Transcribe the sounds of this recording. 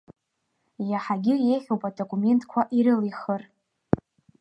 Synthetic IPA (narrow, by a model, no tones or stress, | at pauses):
jaħaɡʲɪjejχʲowpʼadokʼume̞ntʰʼkʷʰaʔiɾɨliχər